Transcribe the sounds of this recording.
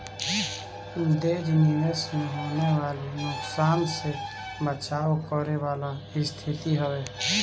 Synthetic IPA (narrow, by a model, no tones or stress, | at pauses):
d̪eɾminesmẽɦoːneʋaːlenʊksaːnse | bət͡ʃaːokɔɾewaːla | ɪst̪ʰɪt̪iɦəwe